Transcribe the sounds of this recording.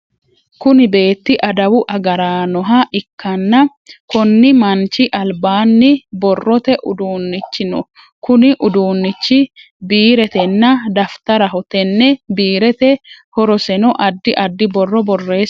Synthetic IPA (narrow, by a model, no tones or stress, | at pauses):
kʊnɪbe̞ːt̪ːɪʔɐd̪ɐwʊʔɐɡɐɾaːnɔɦɐʔɪkːɐnːɐ | kɔnːɪmɐnt͡ʃɪʔɐlbaːnːɪbɔrːɔt̪ɛʔʊd̪uːnːɪt͡ʃːɪnʊ | kʊnɪʔʊd̪uːnːɪt͡ʃːɪ | biːɾɛt̪ɛnːɐd̪ɐft̪ɐɾɐɦɔt̪ɛnːɛbiːɾɛt̪ɛhɔɾɔsɛnɔʔɐd̪ːɪʔɐd̪ːɪbɔrːɔbɔrːe̞ːs